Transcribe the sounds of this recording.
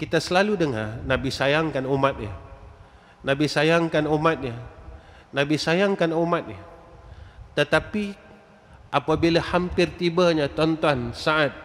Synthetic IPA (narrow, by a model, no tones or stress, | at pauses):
kit̪asəlaludəŋa̰rnabisajaŋkanumat̪̚ɲa | nãbisajaŋkanumat̪̚ɲa | nãbisajaŋkanumat̪̚ɲə | t̪ət̪api | ʔapabilahampɪrt̪ibaɲat̪ɔnt̪ɔnsaʔat̪̚